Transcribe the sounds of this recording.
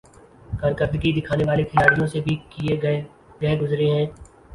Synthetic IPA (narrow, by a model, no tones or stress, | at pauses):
kɐɾkəɾd̪ɡid̪ɪkʰaːneʋaːlek̪ʰɪjaːɽijõsebʱikie | ɡɛɦɡʊzɾeɦɛ̃ː